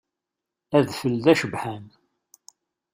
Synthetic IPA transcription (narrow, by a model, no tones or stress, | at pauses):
æðfəlðæʃəbħæn